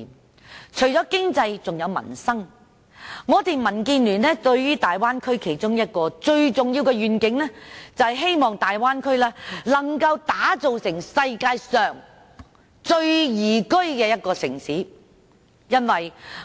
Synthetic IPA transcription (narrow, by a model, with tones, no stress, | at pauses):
t͡ʃʰɵ˨˩ɥt͡ʃɔː˨˥kɪ˥ŋt͡sɐ˧jt͡sʊ˨ŋjɐ˨˧wmɐ̰˨˩nsɐ˥ŋ | ŋɔː˨˧t̪eː˨mɐ˨˩nkiː˧nlyː˨˩nlɛː˥t̪ɵ˧ɥjyː˥t̪aː˨jwaː˥nkʰɵ˥ɥkʰe˨˩jt͡sʊ˥ŋjɐ˥t̚kɔː˧t͡ʃɵ˧ɥt͡sʊ˨ŋjiː˧wkɛː˧ɥyː˨˩nkɪ˨˥ŋlɛː˥t͡sɐ˨whjɦe˥jmɔː˨ŋt̪aː˨jwaː˥nkʰɵ˥ɥlɛː˥lɐ˨˩ŋkɐ˧wt̪aː˨˥t͡so˨wsɪ˨˩ŋsɐ˧jkaː˧jsœː˨ŋ | t͡ʃɵ˧ɥjiː˨˩kɵ˥ɥkɛː˧jɐ˥t̚kɔː˧sɪ̰˨˩ŋsiː˨˥ | jɐ˥nwɐ˨j